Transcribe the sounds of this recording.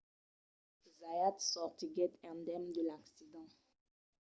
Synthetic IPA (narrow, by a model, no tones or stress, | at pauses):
zajatsɔʁtiɡɛtɛ̃ndɛmd̪əlaksidɑ̃